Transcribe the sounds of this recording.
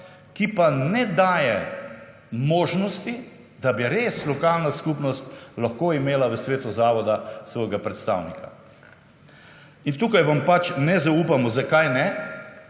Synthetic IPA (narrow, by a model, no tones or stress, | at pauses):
kipanɛd̪aːjɛ | moːʒnɔst̪i | d̪abiɾeːslɔkaːlnaskupnɔst̪laxkoimeːlaʋəsʋeːt̪uzaːʋɔd̪asʋɔːjɡapɾɛt̪st̪a̰ːwnika̰ | int̪uːkajʋampat͡ʃnɛzauːpamɔzakajnɛ